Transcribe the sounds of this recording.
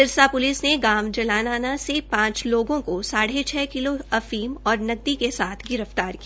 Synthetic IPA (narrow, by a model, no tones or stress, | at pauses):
ɪɾsapʊlɪsneɡaːmd͡ʒɐlaːnaːnasepãːt͡ʃloːɡõkosaːɽet͡ʃʰɛːkɪloɐfiːmɔːɾnɐɡ̚d̪ikesaːt̪ʰɡɪɾəft̪aːɾkia